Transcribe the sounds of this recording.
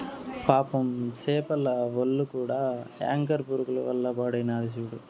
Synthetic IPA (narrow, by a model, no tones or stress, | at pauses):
paːpɐmseːpɐlɐʋɐlːukuːɽaːa̰ːŋkɐɾpuɾukulɐʋɐ̰lːɐpaːɽɐjnaːɾis̬uɽu